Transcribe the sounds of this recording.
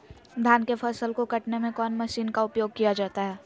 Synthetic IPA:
d̪ʱjaːnkepʰɐsəlkokɐʈnemẽkɔːnmɐʃiːnkaʊpjoːɡ̚kijad͡ʒaːt̪aɦɛː

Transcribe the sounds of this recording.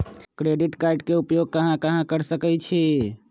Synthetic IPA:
kɾeɖiʈkaɪɖkeupjoɡ̚kəɦãkəɦãkəɾsəkɛt͡ʃʰe

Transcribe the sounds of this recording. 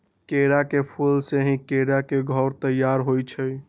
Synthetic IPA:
keɾakepʰulseɦĩkeɾakeɡʱɔɾt̪əjːaɾɦojt͡ʃʰəj

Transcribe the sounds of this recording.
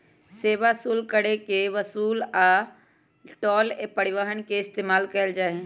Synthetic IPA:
seːʋasuːlkəɽekeʋəsuːlaː | ʈɔːlepəɽɪʋaːɦənkeɪst̪eːmaːlkɐəld͡ʒaːe

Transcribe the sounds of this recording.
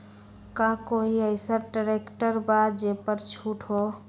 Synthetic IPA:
kãkoɦiəɪsəʈəɾekʈəɾbad̪d͡ʒepəɾt͡ʃʰuʈʰɦo

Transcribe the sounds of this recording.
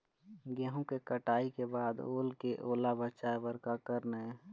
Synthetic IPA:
ɡɛɦõkekəʈaːikebaːd̪oːlkeʔoːlabət͡ʃaebəɾkakəɾnɦɛ

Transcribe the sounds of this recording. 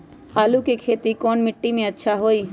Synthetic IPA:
haːlukekʰeːt̪ikɔːnmɪʈːimẽɐtːʃʰaɦoːiː

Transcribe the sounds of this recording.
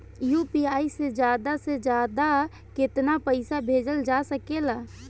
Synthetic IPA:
jupiaised͡ʒjaːd̪ased͡ʒjaːd̪a | kɪt̪napəɪsabʱeːd͡ʒəld͡ʒasəkela

